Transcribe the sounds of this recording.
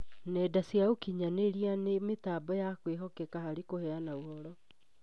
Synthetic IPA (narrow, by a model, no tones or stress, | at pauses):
nɛdasjaokiɲaneɾianemetaːbɔjakweɦɔkɛkahaɾikohɛanauhɔɾɔ